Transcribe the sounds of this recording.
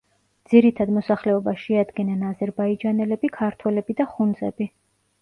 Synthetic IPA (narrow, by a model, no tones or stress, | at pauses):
d̪ziɾit̪ʰad̪mɔsaχlɛɔbaʃɛad̪ɡɛnanazɛɾbaid͡ʒanɛlɛbikʰaɾt̪ʰwɛlɛbid̪aχund̪zɛ̰bi